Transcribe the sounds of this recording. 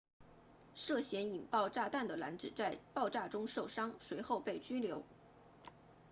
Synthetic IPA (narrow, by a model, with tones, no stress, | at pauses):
ʂɤ˥˩ɕjɛ˧˥ni˨˩ŋpɑ˥˧ʊʈ͡ʂa˥˧t̪a˥˩nd̪ə˩la̰˧˥nʈ͡ʂɻ̩˨˩t͡sa˥˧ɪpɑ˥˧ʊʈ͡ʂa˥˩ʈ͡ʂʊ˥ŋʂo˥˩ʊʂɑ˥ŋʂwe˧˥ɪxo˥˧ʊpe˥˩ɪt͡ɕy˥ljo˧˥ʊ